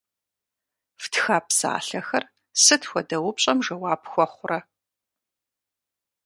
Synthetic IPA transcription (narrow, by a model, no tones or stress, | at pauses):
ftʰxaːpsa̰ːɬɐxɐr | sɨtʰxʷɔdɐwʊpɕʼɐmʒɐwaːpxʷɔχʷʊrɐ